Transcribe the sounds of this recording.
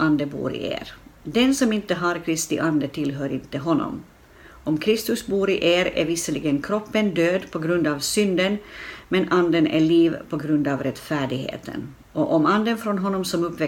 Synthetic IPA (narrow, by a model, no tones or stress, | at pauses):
ʔand̪əbṵːɾɪ̰ʔḛːɾd̪ɛnsɔmɪnt̪əɦaɾkʰɾɪst̪ɪʔand̪ət̪ʰɪlɦœːɾɪnt̪əɦɔnːɔ̰m | ʔɔmkʰɾɪst̪ɵsbuːɾɪʔeːɾæ̰ɾvɪsəlɪɡənkʰɾɔpːənd̪øːd̪pʰɔɡɾɵnd̪ɑːvsʏnd̪ənmɛnʔand̪ənæ̰ɭiːvpʰɔɡɾɵnd̪ɑːvɾɛt̪fæːɖɪɡhḛːt̪ʰə̰n | ɔʔɔmand̪ənfɾɔnɦɔnːɔmsɔmɵpːvɛ